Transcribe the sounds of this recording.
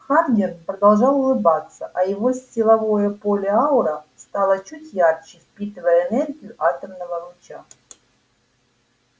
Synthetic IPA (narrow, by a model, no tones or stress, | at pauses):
xardʲɪnpɾəd̪ɐlˠʐɑlˠʊlˠɨbat̪sːəʔɐjɪvo̞sʲtʲɪlˠɐvo̞jəpo̞lʲɪaʊɾəst̪ɑlˠət͡ɕutʲjart͡ɕɪfʲpʲit̪ɨvəjəːnɛrɡʲijʊʔat̪əmnəvəɾʊt͡ɕa